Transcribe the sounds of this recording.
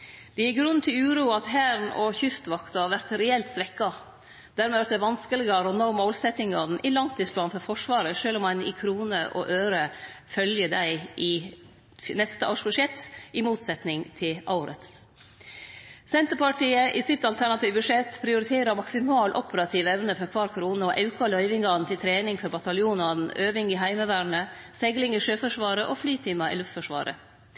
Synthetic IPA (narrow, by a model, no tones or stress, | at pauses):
d̪̥ɛjɪɡɾʉnt̪ʰɪlʉːɾuːɑt̪hæːɾnɔ̰çʏst̪ʋɑkt̪ɑɑʋæɾt̪ɾɛɛlt̪sʋɛkːɑ | d̪̥æːɾmɛʋæɾt̪d̪ɛæʋɑnskəlɪɡɑɾɔnoːmoːlsɛt̪ɪŋɑnn̩ʔɪlɑnt̪ʰːyːspʰlɑːnfɔɾfɔʂʋɑːɾəʂøːlɔmɑnɪ̰kʰɾuːnəʔɔ̰ʔøːɾəfœljəd̪æɪʔɪ | nɛst̪əʔɑʂbʉʂɛt̪ːɪmuːt̪sɛt̪nɪŋt̪ʰɪlʔɑʊɾə̰t̪s | sɛnt̪əɾpɑʈiːəʔɪsɪt̪ɑlt̪ʰæɳɑt̪iːʋbʉʂɛt̪ːpʰɾɪʊɾɪt̪ʰeːɾəɾmɑksɪmɑːlʔɔpəɾɑt̪ʰiːʋɛʋnəfɔɾkʰʋɑːɾkʰɾuːnəɔʔɑʉkɑlœʏʋɪŋɡɑnt̪ɪlt̪ʰɾeːnɪŋfɔɾbɑt̪ɑljuːnɑn̩ʔøːʋɪŋɪɦæɪməʋæːɳə | sɛɡlɪŋɪʂøːfɔʂʋɑːɾəʔɔflyːt̪ʰɪmɑʔɪ̰lʉft̪fɔʂʋɑ̰ːɾʔə̰